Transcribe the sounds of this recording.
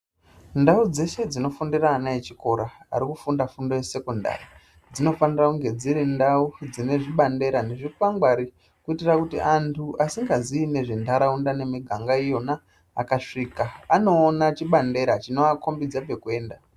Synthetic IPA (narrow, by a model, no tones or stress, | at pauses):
ndaud͡ze̞se̞d͡zino̞fundiranajet͡ʃiko̞ɾa̰ːɾikufundafundo̞jese̞konda̰ri | d͡zino̞fanirakuŋɡe̞d͡ziɾindaud͡zine̞ʐiɓande̞ɾaneʐikuwaŋɡwaɾi | kuitirakutḭʔantʰuʔasiŋɡaziːne̞ʐendaɾaundane̞miɡʱaŋɡaijo̞na̰ː | kaʂikaːno̞ːnat͡ʃiɓande̞ɾat͡ʃino̞ako̞mbid͡zape̞kwe̞ːnda